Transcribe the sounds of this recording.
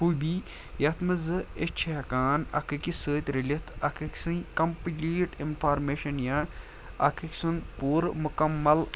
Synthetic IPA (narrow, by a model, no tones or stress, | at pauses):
hubi | jɐt̪ʰmɨzɨet͡ʃʰɐɐkaːnɐ̰kʰɨkisəːt̪ʲɾilʲɐt̪ʰɐkʰɐksɨ̃kɐmplʲiːʈinfʰaːɾmeːʃɐnja | ɐ̰kʰiksɨnpuːɾmukɐmːɐl